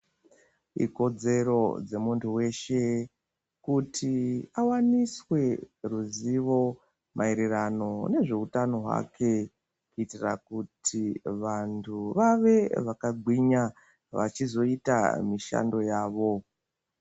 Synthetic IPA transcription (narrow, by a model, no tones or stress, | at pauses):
ḭko̞d͡ze̞ɾo̞d͡ze̞muntʰuwe̞ʃe̞ | kutʰiawaniswe̞ruziʋo̞ | mʔaiɾirano̞ne̞ʐe̞utano̞ɦwa̰kʰe̞ | kuitira̰kutʰiʋantʰuʋaʋe̞ʋakaɡʱwiɲa | ʋa̰t͡ʃizo̞ita̰miʃa̰ndo̞jaːʋo̞